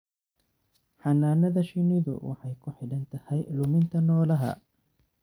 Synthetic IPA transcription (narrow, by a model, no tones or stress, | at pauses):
ħɑnaːnɐðɐʃɪnɪðʊ̰wɑ̰ħɑjkʰʊħɪɽɐnt̪ʰɐhɛjlʊmɪnt̪ʰɐnɔːlɐɦɐ̰